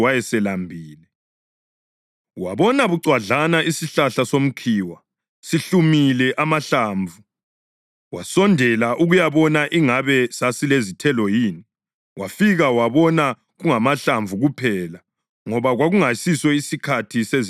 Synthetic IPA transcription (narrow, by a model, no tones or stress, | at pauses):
wajɛsɛlambʱiːlɛ | waβɔnaβuǀwaɮanaisiɬaɬasom̩kʰiːwa | siɬumilɛʔamaɬaːɱvu | wasɔndʱɛlaʔuɣujaβɔnaʔiŋaβɛsasilezitʰɛlɔjiːni | wafiɣawaβɔna | ɣuŋamaɬaɱvuɣupʰɛla | ŋɔβaɣwaɣuŋasiswɛisikʰatʰisez